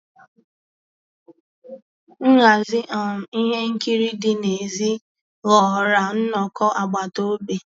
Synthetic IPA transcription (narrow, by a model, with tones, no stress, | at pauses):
ŋ̩˦ŋa˨zɪ˦ʔa˨i˦ɦe˦ŋ̩˦ki˦ɾi˦dɪ˦ne˨zi˦ | ɣɔ˨ɾa˨n̩˦nɔ˨kɔ˦ʔa˨ɡ͡ba˨to˦be˨